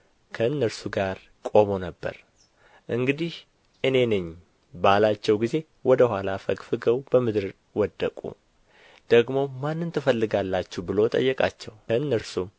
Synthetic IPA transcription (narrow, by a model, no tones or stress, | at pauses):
kʰəɨnːəɾsuɡaɾ | kʼo̞mo̞nəbːə̰ɾ | ʔɨŋɡɨd̪ih | ʔɨne̞nɨɲː | balat͡ʃːɛwɡize̞ | wɔd̪əhʷwalafəkʼfɨɡəwbəmɨd̪ɨɾ | wɔd̪ːəkʼṵ | d̪̥əɡmo̞manːɨnt̪ʰɨfəlːɨɡalːat͡ʃːubɨlo̞t̪ʼə̰jːɛkʼa̰t͡ʃːɛwəɨnːəɾsum